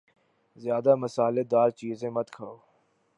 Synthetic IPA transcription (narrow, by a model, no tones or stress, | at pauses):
zjaːd̪aːməsaːleːd̪aːɾt͡ʃiːzẽːmət̪kʰəoː